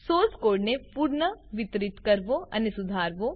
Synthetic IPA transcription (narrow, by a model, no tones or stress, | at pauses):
soːskoːɖnepuːɾɳəʋɪt̪ɾɪt̪kɐɾʋoɐ̰nisʊd̪ʱaːɾʋo